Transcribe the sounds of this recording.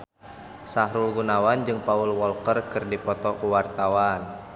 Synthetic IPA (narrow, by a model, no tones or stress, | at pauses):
saɦɾulɡunawand͡ʒɨŋpaulwɔlkərkɨrdipɔt̪ɔkuwart̪awan